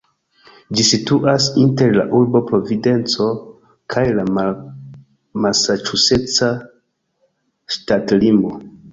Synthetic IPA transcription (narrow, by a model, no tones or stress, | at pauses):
d͡ʒisituʔasinte̞ɾla̰ʔuɾbo̞pɾo̞vide̞nt͡so̞ | kʰajla | malsat͡ʃuse̞t͡sa | ʃtatlimbo